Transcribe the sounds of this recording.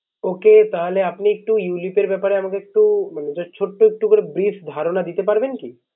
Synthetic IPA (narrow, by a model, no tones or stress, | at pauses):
oket̪aɦleapniek̚ʈujulipeɾbɛpaɾeamakeek̚ʈumaned͡ʒɔt͡ʃʰoʈːoek̚ʈukoɾebɾifʰd̪ʱaɾonad̪it̪epaɾbenki